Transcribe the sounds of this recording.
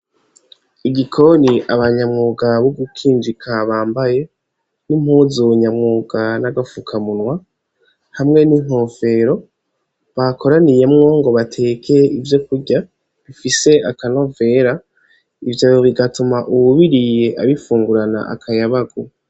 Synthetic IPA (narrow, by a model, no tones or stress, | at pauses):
iɡikʰo̞niʔaβaɲamŋuːɡaβoɡukʰiːnd͡ʒikʰaβaːmbaje̞ | nim̥huzuɲamŋuːɡ̥anaɡafukʰamunwa | hamŋe̞niŋ̥hofe̞ɾo̞ | βakʰo̞ɾanije̞mŋo̞ŋɡo̞βatʰe̞ːkʰe̞ivjo̞kuɾɟa | βifise̞akanove̞ɾa | ivjaoβiɡatumaʔuβuβiɾije̞ʔaβifuːŋɡuɾana̰ʔa̰kʰajaβaɡo